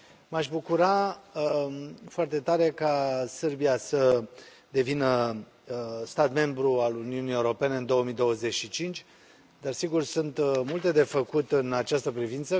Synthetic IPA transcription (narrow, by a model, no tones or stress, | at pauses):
maʃʲbukuɾa | foart̪e̞t̪aɾe̞kasərbiasə | d̪e̞vinə | st̪at̪me̞mbɾualuniunijeuɾo̞pe̞ne̞ɨnd̪o̞wəmijd̪o̞wəze̞t͡ʃʃit͡ʃint͡ʃʲ | d̪arsiɡursunt̪mult̪e̞d̪e̞fəkut̪ɨnat͡ʃast̪əpɾivint̪sə